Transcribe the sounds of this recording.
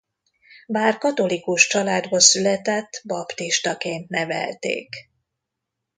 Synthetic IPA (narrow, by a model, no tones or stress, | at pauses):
baːrkɒt̪o̞likuʃt͡ʃɒlaːd̪bɒsylɛt̪ɛt̪ːbɒpt̪iʃt̪ɒkeːnt̪nɛvɛ̰lt̪ḛːk